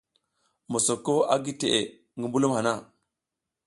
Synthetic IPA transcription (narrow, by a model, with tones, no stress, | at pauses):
mo˨so˨kːo˦a˦ɡi˦te˨ʔe˨ | ŋɡi˨mbu˦lu˦mha˨na˦˨